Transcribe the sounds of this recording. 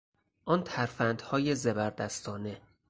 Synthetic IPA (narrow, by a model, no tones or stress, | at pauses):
ʔɒnt̪ʰæɾfænd̪̥hɒːjezebæɾd̪æst̪ʰɒːne̞